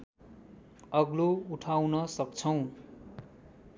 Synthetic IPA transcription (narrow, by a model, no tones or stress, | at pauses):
ʌɡlouʈʰawnʌsʌkt͡sʰʌw̃